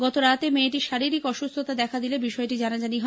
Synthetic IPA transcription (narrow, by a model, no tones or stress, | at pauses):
ɡɔt̪oɾat̪emeʈiʃaɾiɾikɔʃust̪ʰot̪ad̪ɛkʰad̪ilebiʃɔeʈid͡ʑanad͡ʑaniɦɔ